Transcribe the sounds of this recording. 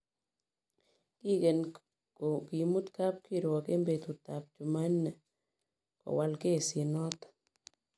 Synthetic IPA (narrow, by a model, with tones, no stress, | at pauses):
ki˦ke˨n | kki˨mu˦t̪ka˦p̚ki˦ɾwɔ˨ke˦mbe˨t̪u˨t̪a˨p̚t͡ʃu˨ma˦nːɛ˨ | kɔ̰˨wa˨lke˦˨si˨nɔ˦t̪